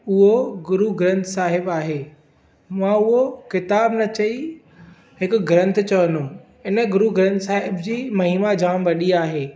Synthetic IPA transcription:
ʊɦoɡʊɾuɡɾə̃nt̪ʰsaːɦɪbaːɦeː | mãʊɦokɪt̪aːbnɐt͡ɕɐi | ɦɪkʊɡɾə̃nt̪ʰt͡ɕɐʋənũ | ɪnə̆ɡʊɾuɡɾə̃nt̪ʰsaːɦɪbd͡ʑiːmɐɦiːmad͡ʑaːmʋɐɗiaːɦeː

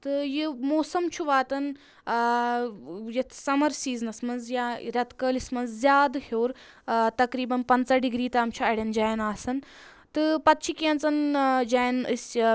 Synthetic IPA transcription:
t̪ɨjimoːsɐmt͡ʃʰuʋaːt̪ɐn | jɐt̪ʰsɐmɐɾsiːznɐsmɐnzjaɾɐt̪ʰkəːlismɐnzzʲjaːd̪hoːɾ | t̪ɐkɾiːbɐnpɐnt͡sɐɖiɡɾiːt̪aːmt͡ʃʰuɐɽʲɐnd͡ʒaːjnaːsɐn | t̪ɨpɐt̪̚t͡ʃʰikʲiɐnt͡sɐnd͡ʒaːjnɨ̰sʲ

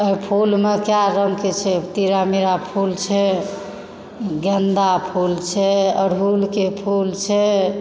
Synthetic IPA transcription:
əipʰulmekjaɾəŋket͡ʃʰɛt̪iɾamiɾapʰult͡ʃʰɛ | ɡənd̪apʰult͡ʃʰɛəɽʱulkepʰult͡ʃʰɛ

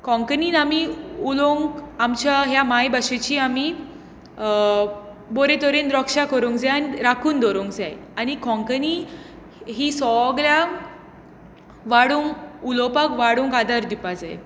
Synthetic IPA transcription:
kʰɔ̃ŋkəniːnamiuloŋkamt͡ɕaɦjamajbaɕet͡ɕiːami | boɾet̪ɔɾend̪ɾɔkʂakəɾoŋkd͡zeanɾakʰuːnd̪ɔɾoŋkd͡zajanikʰɔ̃ŋkəni | ɦiːsɔɡɾa | ʋaɽuːŋkulɔpakʋaɽũːŋkad̪aɾd̪ipad͡za̰j

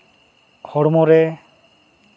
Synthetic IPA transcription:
hɔɽmɔɾɛ

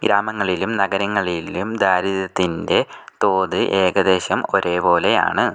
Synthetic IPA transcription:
ɡɾaːmɐŋːɐɭilumnɐɡɐɾɐŋːɐɭilumd̪ʱaːɾiðɐt̪ːinde̞t̪o̞ːðɨʔe̞ːɡɐd̪e̞ːɕɐmo̞ɾe̞ːpo̞ːle̞ja̰ːɳɨ

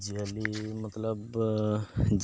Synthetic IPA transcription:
d͡ʒialimət̪ləb | d͡ʒ

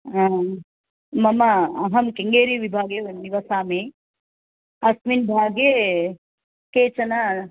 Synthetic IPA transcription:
a | mɐmɐɐɦɐmkeŋɡeːɾiʋibʱaːɡeniʋɐsaːmeː | ɐsminbʱaːɡe | keːt͡ʃɐnɐ

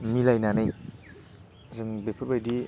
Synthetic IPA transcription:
milajnanɯj | zɯŋbepʰɯɾbajdi

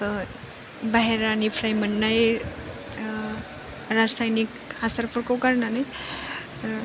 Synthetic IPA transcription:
baɦeɾanipʰɾajmənːaj | ɾasajnik | asəɾpəɾkokəɾnanaj | ɾ

